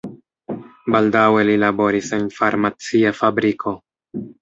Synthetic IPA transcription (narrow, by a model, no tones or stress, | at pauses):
baldawe̞lilabo̞ɾisenfaɾmat͡siafabɾikʰo̞